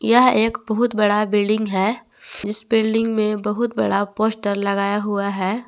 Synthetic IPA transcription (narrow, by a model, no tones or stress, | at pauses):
jɐɦeːkbɐɦʊt̪bɐɽabɪlɖɪ̃ŋɡɦɛː | d͡ʒɪsbɪlɖɪ̃ŋɡmẽbɐɦʊt̪̚bɐ̰ɽapoːsʈəɾlɐɡaːjaɦʊaɦɛː